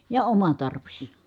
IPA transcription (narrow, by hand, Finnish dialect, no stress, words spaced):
jɑ omɑ tɑrʋis